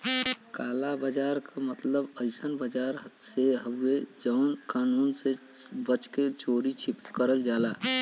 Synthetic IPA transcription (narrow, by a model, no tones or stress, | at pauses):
kalabəd͡ʒaɾkamət̪ləbəɪsənbəd͡ʒaɾseɦəed͡ʒəʊnkanuːnsebət͡ʃket͡ʃoɾit͡ʃʰipe̥kəɾəld͡ʒala